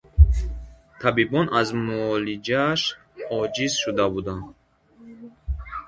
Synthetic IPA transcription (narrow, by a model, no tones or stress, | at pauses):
t̪ʰabibɔnazmuɔlid͡ʒaʃ | ɔd͡ʒizʃud̪abud̪and̪